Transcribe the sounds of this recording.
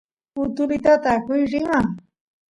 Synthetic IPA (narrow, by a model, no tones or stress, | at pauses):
ʊt̪ʊlɪt̪at̪akʊjɾɪŋa